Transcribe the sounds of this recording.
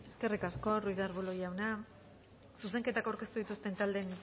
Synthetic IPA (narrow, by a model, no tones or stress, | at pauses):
e̞ske̞rikasko̞rujðaɾβolojawna | sus̬e̞ŋke̞t̪akawɾke̞st̪uðit̪ust̪e̞nt̪ald̪e̞n